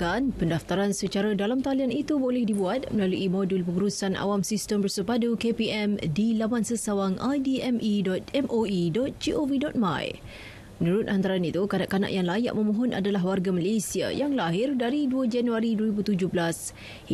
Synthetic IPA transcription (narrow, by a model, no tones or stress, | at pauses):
kanpəndaft̪aɾansət͡ʃaɾadalamt̪alianit̪ubolɛhdibuat̪̚məlaluʔimɔdulpəŋuɾusanʔa̰wamsistəmbərsəpadukepiɛmdilamansəsawaŋajdiɛmʔidɔt̪̚ɛmʔoidɔt̪̚d͡ʒiʔovidɔt̪̚ma̰j | mənuɾʊt̪ʔant̪aɾanit̪ukana̰ʔkana̰ʔjaŋlaja̰ʔməmɔɦɔnʔa̰dalaɦwarɡamalesia̰jaŋlaɦɪrdaɾiduəd͡ʒanuaɾiduəɾibut̪ud͡ʒʊhɦblas